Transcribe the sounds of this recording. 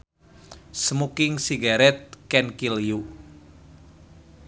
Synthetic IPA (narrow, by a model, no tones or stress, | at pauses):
səmukɪŋsiɡaɾɛt̪̚kɛnkilju